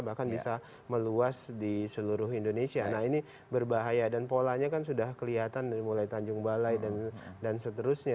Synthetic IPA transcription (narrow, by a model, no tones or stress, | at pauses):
bahkanbisa | məluasdisəluɾʊɦindonesianaɦini | bərbaɦajadanpolaɲakansudahkəliɦat̪anmulajt̪aɲd͡ʒʊŋbalajdandansət̪əɾʊsɲa